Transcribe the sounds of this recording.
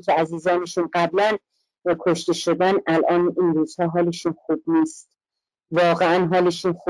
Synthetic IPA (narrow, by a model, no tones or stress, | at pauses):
kʲʰeæziːzɒːne̞ʃunɢæblæn | kʰoʃt̪e̞ʃod̪ænʔælʔɒːniːnɾuːz̥hɒːɦɒːle̞ʃunxuːb̚niːst̪ | vɒːɣeænɦɒːleʃuːnxu